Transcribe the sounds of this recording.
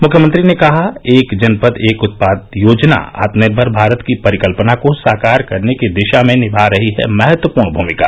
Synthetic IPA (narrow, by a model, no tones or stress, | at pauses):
mʊkʰjəmə̃nt̪ɾinekɐɦaeːkd͡ʒɐnpəd̪eːkʊt̪̚paːd̪joːd͡ʒna̰a̰ːt̪məd̪bʱɐɾbʱaːɾət̪kipɐɾɪkəlpənakosaːkaːɾkɐɾnekid̪ɪʃamẽnɪbʱaɾɐɦiɦɛ̰mɛɦət̪wəpuːɾɳbʱuːmɪka̰ː